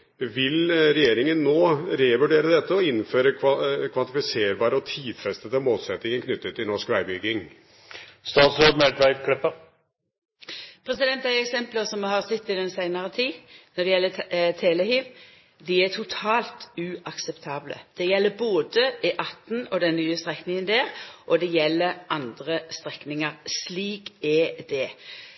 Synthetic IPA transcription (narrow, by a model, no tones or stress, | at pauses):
ʋɪlɾɛjeːɾɪŋənːoːɾɛʋʉɖeːɾəd̪ɛt̪ːəɔɪnføːɾəkʰʋɑnt̪ɪfɪseːɾbɑːɾəɔt̪ʰiːd̪fɾɛst̪ət̪əlmoːlsɛt̪nɪŋənkʰnʏt̪ːət̪ʰːɪlnɔʂkʋæɪbʏɡ̪ɪŋ | st̪ɑːt̪sɾod̪mɛlt̪ʋæɪkʰlɛpːə | pʰɾɛsɪd̪ɛnt̪æɪɛksɛmpləɾsɔmhɑʁsɛt̪ːɪd̪ɛnsæɪnəʁət̪ʰiːnɔd̪ɛjɛlːət̪ʰɛːlɛhiːʋ | d̪ɪɛt̪ʰʊt̪ʰɑːlt̪ʉːʔɑksɛpt̪ʰɑːblə̰d̪̥ɛjɛlːəboːd̪əɪʔɑt̪ːn̩ɔd̪ɛnnyːəst̪ʁɛknɪŋənd̪eːʁʔɔd̪ɛjɛlːəɾʔɑnd̪ʁəst̪ʁɛknɪŋəʁsliːkɛd̪ɛ